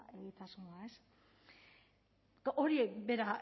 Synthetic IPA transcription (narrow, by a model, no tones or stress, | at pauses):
eɣit̪asunaes | ʔoɾibeɾa